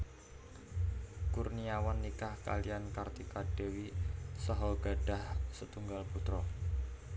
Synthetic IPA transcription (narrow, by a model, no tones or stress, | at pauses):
kurniawanːikahka̰lijankart̪ikaɖ̥ewisɔɦɔɡ̥a̤ɖ̥a̤hsət̪uŋɡalput̪ɾɔ